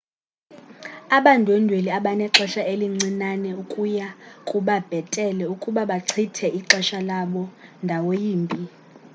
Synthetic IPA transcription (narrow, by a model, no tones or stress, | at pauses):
aɓandʱʼuwɛndʱweliaɓanɛǁɛʃaeliŋ͡ǀinanɛukʼujakʼuɓab̥ʱɛtʼɛlɛukʼuɓaɓaǀʰitʰɛiǁɛʃalaɓɔndʱawojiːmbʱʼi